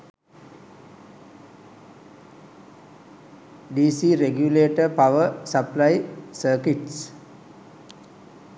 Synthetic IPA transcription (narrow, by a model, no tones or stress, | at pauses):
ɖiːsiɾeɡjuleːʈəpaʋəsəplajsəːkiʈs